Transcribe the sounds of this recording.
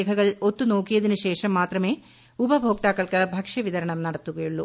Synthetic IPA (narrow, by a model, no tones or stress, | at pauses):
kʰɐɣɐɭot̪ːuno̞ːkːijɐðinuɕe̞ːʂɐmːaːt̪rɐme̞ː | ubɐbʱoːk̚t̪aːkːɐɭkɨbʱɐkʂɐʋiðɐɾɐɳɐmnɐɽɐt̪ːuɣɐjuɭːṵ